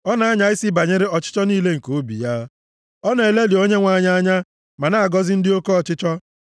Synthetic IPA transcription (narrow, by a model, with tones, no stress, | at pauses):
ɔ˦na˨a˦ɲa˨˦ɪ˦si˦ba˨ɲe˦ɾe˦ɔ˨t͡ʃɪ̥˦t͡ʃɔ˦niː˦le˦ŋ̩˨ko˨˦bḭ˨ja˦ | ɔ˦ne˨e˨le˦lɪ˨o˦ɲe˦ŋʷa˦˨ɲa˦ɲa˦ | ma˨na˦a˨ɡɔ˦zɪ˦n̩˦dɪ˦o˦ko˦ɔ˨t͡ʃɪ˦t͡ʃɔ˦